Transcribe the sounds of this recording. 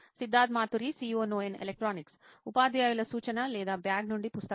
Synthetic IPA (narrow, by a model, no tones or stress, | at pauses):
sid̪ʱːaːd̪maːt̪uɾisiːoːnoːenḛlek̚ʈɾaːniksupaːd̪jaːjulɐsuːt͡ʃɐnɐlɛːd̪aːbjaːɡnuɳɖipust̪ɐ